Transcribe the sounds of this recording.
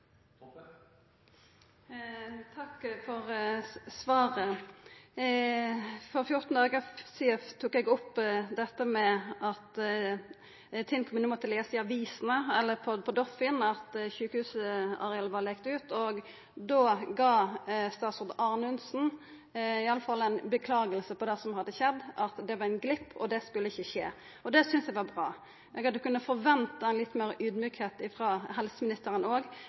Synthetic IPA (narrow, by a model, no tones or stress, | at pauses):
t̪ʰɑkfɔʁsʋɑːʁə | fɔɾfjʊɾt̪n̩d̪ɑːɡəsiɛft̪ʰuːkɛɡɔpd̪ɛt̪ːəmɛɑt̪ | t̪ʰɪŋkʰɔmnumɔt̪ʰɪleːsɪɑʋiːsən̩əɛlːəpʰɔpʰɔd̪ɔfɪnɑt̪çʉːkəhʉːsəɑ̰ɾɛɑːləʋɑɾlɛːkt̪ʉːt̪ɔɡ | d̪oːɡɑːst̪ɑːt̪sʊʁd̪ɑʁnʉnsn̩ | ɪɑlːəfɑlːæɪnbəkʰlɑːɡəlsəpʰɔd̪ɛsɔmhɑd̪ːəçɛd̪ːʔɑt̪d̪ɛʋɑɾæɪnɡlɪpʰːɔ̰d̪ɛskʉlːəɪçːəçeː | ɔd̪ɛsʏnsdɛʋɑbʁɑː | ɛɡɑt̪d̪ʉkʉnːəfɔɾʋɛnt̪ɑɛnlɪt̪ːmeːɾəʔyːd̪myːkheːt̪ɪfɾɑːɦɛlsəmɪnɪst̪əɾənoːɡ